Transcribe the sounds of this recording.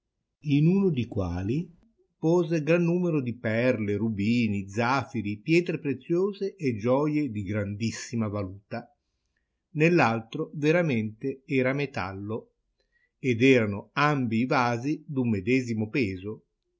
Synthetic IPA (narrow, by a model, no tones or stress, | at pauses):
inunod̪ikwa̰ːli | poːzeɡɾanːuːmeɾod̪ipɛrlerubiːnid̪zafiɾipjɛːt̪ɾepɾet̪sːjoːzeʔːd͡ʒːɔːjed̪iɡɾand̪isːimavaluːt̪a | nelːalt̪ɾoveɾament̪eɛːɾamet̪a̰lːo | ed̪ɛːɾanoambiːvaːzid̪umːed̪ɛːzimopɛːzo